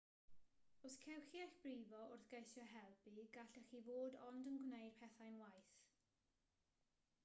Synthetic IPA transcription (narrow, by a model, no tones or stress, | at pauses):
oskʰɛwxiɛɬb̥riːvɔʔʊrθɡ̥ejsjɔɦɛlˠbiɡaɬəxivoːdɔndənɡwnejd̥̚pʰɛθajnwajθ